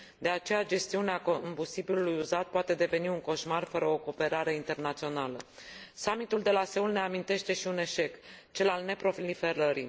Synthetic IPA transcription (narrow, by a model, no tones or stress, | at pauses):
d̪e̞at͡ʃe̞jad͡ʒe̞st̪iuneakoombust̪ibilulujuzat̪̚poat̪e̞d̪e̞ve̞niuŋko̞ʃmarfəɾəo̞ko̞ːpe̞ɾaɾe̞int̪e̞rnat̪sio̞nalə̰samit̪uld̪e̞lase̞ulne̞amint̪e̞ʃt̪e̞ʃiune̞ʃe̞k | t͡ʃe̞lalne̞pɾo̞flife̞ɾəɾḭ